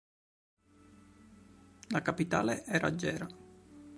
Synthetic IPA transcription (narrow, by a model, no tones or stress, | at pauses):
lakapit̪a̰ːleʔɛːɾa̰d͡ʒːɛːɾa